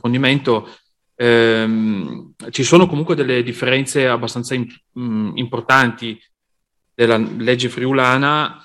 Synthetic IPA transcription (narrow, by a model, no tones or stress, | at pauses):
ond̪iment̪o | m | t͡ʃisoːnokomuŋkwed̪elːed̪ifːeɾɛnt̪seabːast̪ansaim | import̪ant̪i | d̪̥elːaled͡ʒːefɾiulaːna